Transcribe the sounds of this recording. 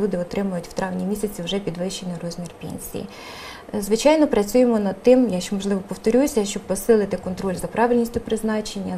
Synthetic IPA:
ud̪ɪɔt̪ɾɪmʊjʊtʲw̥t̪ɾʔɑʋnʲimʲisʲɐt͡sʲiwʒɛpʲid̪ʋɪʃt͡ʃenɪjrɔzʲmʲirpʲḛnʲsʲḭjḭ | zʋɪt͡ʃɑjnɔpɾɐt͡sʲujemɔnɐd̪̚t̪ːɪmjaʃt͡ʃɛmɔʒlˠɪʋɔpɔwt̪ɔɾʲusʲɐʃt͡ʃɔbpɔsɪlˠɪt̪ɪkɔnt̪ɾɔlʲzɐpɾɑʋɪlʲnʲisʲtʲʊpɾɪznɑt͡ʃenʲːɐ

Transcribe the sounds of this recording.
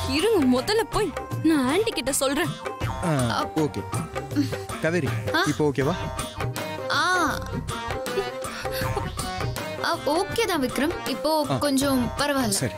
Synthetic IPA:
ɪɾɯŋɡɯmɔðɐlɐpoːjnãːɐːɳɖikːɪʈːɐsɔlɾẽːaoːkḛː | kɐʋɛɾihaːɪpːoːoːkeːʋaː | aː | ɐoːkeːt̪ãːʋɪkːɪɾɐmɪpːoːkɔɲd͡ʒõpɐɾɐʋaːlsɐɾi

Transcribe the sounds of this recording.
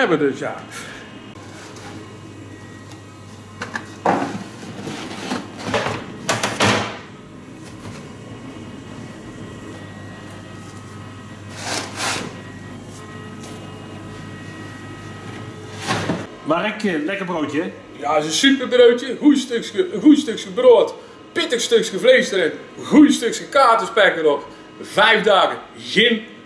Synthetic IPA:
ɛbədøsja̰ | marɛkəlɛkəbrowtjəɛ | jaɪsənsypərbrowtjəɣujstøksəɣujstøksxəbroət | pɪtəxstøksxəvlejstəɾɛn | ɣujstøksxəkaːtəspɛkəɾɔp | vɛjvdaːɣə | ɣɪn

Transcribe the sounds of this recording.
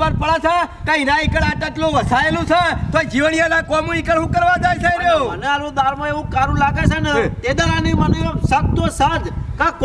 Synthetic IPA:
ʋəɾpəɭat͡ʃʰakãinãikəɽãʈ̪ət̪lõʋəsaelũt͡ʃʰet̪od͡ʒiʋnijanãkɔmũikəɾɦũkəɾʋãd͡ʒajt͡ʃʰeɾeũmənealũd̪aɾmãeʋũkaɾũlaɡet͡ʃʰenet̪ed̪aɾaniməneesək̚t̪osad͡ʒkãk

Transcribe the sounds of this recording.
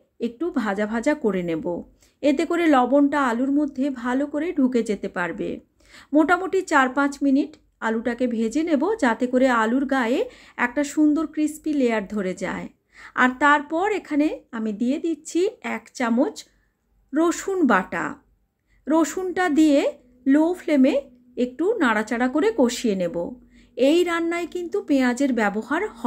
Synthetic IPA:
ek̚ʈubʱad͡ʑabʱad͡ʑakoɾenebo̰ | et̪ekoɾelɔbonʈaaluɾmod̪ʱːebʱalokoɾeɖʱuked͡ʑet̪epaɾbḛ | moʈamoʈit͡ɕaɾpãt͡ɕminiʈ | aluʈakebʱed͡ʑenebod͡ʑat̪ekoɾealuɾɡaee | ɛ̰k̚ʈaʃund̪oɾkɾispilejaɾd̪ʱoɾed͡ʑa̰e | a̰ɾt̪aɾpɔɾekʰaneamid̪ied̪itːt͡ɕʰiɛkt͡ɕamot͡ɕ | ɾoʃunbaʈa̰ | ɾoʃunʈad̪ie | lofleme | ek̚ʈunaɽat͡ɕaɽakoɾekoʃienebo̰ | ejɾanːajkint̪upead͡ʑeɾbɛboɦaɾhɔ

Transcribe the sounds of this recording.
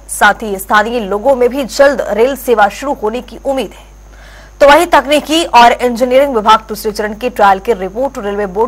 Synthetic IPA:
saːt̪ʰist̪ʰaːniloːɡõmẽbʱid͡ʒɐld̪ɾeːlseːʋaʃʊɾuɦoːnekiʔʊmːiːd̪ɦɛː | t̪oʋɐɦit̪ɐknikiɔːɾẽnd͡ʒɪniəɾɪ̃ŋɡʋɪbʱaːɡ̚t̪usɾet͡ʃəɾənkeʈɾaːɪlkeɾɪpoːɾʈɾeːlʋeboː

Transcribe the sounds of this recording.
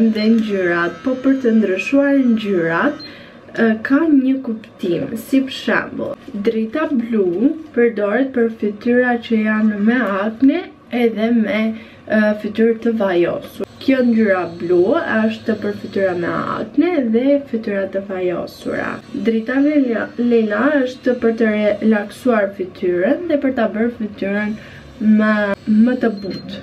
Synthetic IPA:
nðɛɲɟyɾat̪pɔpəɾt̪ənd̪ɾiʃuaɾɲɟyɾat̪ | kaɲəkupt̪imsipʃɛ̰mbə̰lˠd̪ɾit̪ablupəɾd̪ɔɾɛt̪̚pəɾfit̪yɾat͡ɕəjanmɛaknɛː | ðɛmɛ | fit̪yɾt̪əvajɔ̰suɾkjɔndyɾabluəʃt̪əpəɾfit̪yɾamɛ̰a̰knɛðɛfit̪yɾat̪əvajɔ̰sṵɾa̰d̪ɾit̪alɛnaəʃt̪əpəɾt̪əɾɛlaksuaɾfit̪ʰyɾənðɛpəɾt̪abəɾfit̪yɾən | məmət̪əbut̪

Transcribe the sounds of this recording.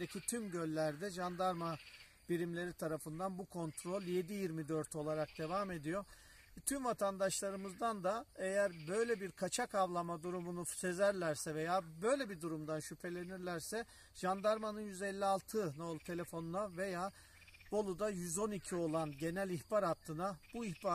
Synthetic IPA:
d̪ecʰit̪ʰymɟø̞lʲːæɾd̪ɛʒand̪aɾma | b̥iɾimlʲe̞ɾit̪ʰaɾafɯnd̪anbukʰo̞nt̪ʰɾo̞lʲje̞d̪ijiɾmid̪ø̞ɾt̪ʰo̞lˠaɾak̚d̪̥e̞vaːme̞d̪ijo | t̪ʰymvat̪ʰand̪aʃlˠaɾɯmɯzd̪and̪ae̞jæɾbø̞jlʲebiɾkʰat͡ʃʰakʰavlˠamad̪uɾumunuse̞zæɾlʲæɾsɛve̞jaːbø̞jlʲebid̪uɾumd̪anʃypʰe̞lʲe̞niɾlʲæɾsɛ | ʒ̥and̪aɾmanɯnjyzelʲːialˠt̪ʰɯnolˠt̪ʰelʲe̞fo̞nunave̞jaː | bo̞lˠud̪ajyzo̞nicʰio̞lˠanɟe̞nælʲiçbaɾat̪ʰːɯnabuiçba

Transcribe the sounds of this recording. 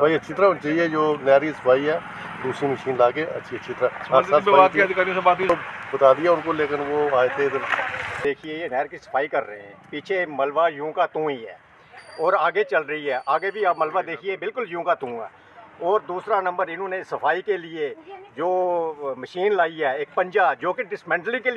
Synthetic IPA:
səpʰaːiətːʃʰiːt̪əɾaːɦonit͡ʃaːɦiɛd͡ʒoːnɛːɾisə̥pʰaːiɦɛː | d̪uːsɾiməʃiːnlaːkeːə̰tːʃʰiətːʃʰit̪əɾaːɦaɾsaːlaːt̪ːd̪ɪkaːɾiõsəbaːt̪iobət̪aːd̪iɛːʊnkoleːkɪnʋoːaːjt̪eɪd̪əɾd̪eːkʰieeːnɛːɾkisə̥pʰaːikəɾːəɦeɦɛ̃ːpiːt͡ʃʰeməlʋajũːkaːt̪ũːiɦɛ̰ː | ɔːɾaːɡet͡ʃəlɾəɦiɦɛːʔaːɡebʱiaːməlʋad̪eːkʰiebɪlkʊljũːkat̪ũːɛ̰ː | ɔːɾd̪uːsɾanə̃mbəɾɪnõːnesːəfʰaːikelɪed͡ʒoːməʃiːnlaːiɦɛːeːk̚pə̃ɲd͡ʒaːd͡ʒoːkeɖɪsmɛ̃ːɳʈlɪ̃kel

